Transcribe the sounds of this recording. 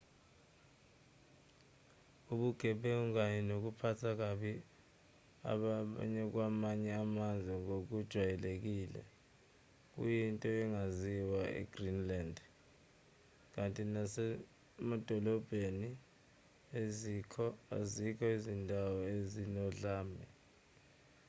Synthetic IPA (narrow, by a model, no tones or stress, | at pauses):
uɓuɡ̥ʱɛɓɛuk̬aɲɛnok̬upʰatʰak̬aɓi | a̰ɓa̰ɲɛk̬wamaɲɛamanzʱwɛŋok̬ud̥ʒ̥ʱwajɛlek̬iːlɛ̰ | k̬ṵjintʼɔɛŋaziwaḭɡ̥rinland | k̬antʼinasɛ | mad̥ʱɔlɔb̥ʱeni | ezikʰɔazikʰɔizindʱawɔezinɔɮaːmɛ